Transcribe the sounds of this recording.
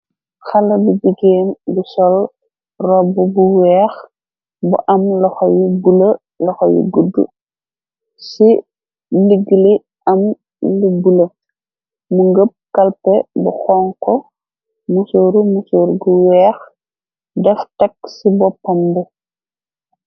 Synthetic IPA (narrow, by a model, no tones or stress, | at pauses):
xɐlɐbud͡ʒiɡeːmbusɔl | rɔbubuwɛːx | bṵʔɐmlɔxɔjubulɐ | lɔxɔjṵɡudːṵ | si | liɡːili | ɐm | libulɐ | muŋɡəp̚kɐlpɛbuxɔːŋkɔ | musoːɾumusoːɾɡuwɛːx | dɛftɛksibɔpːɐmbɛ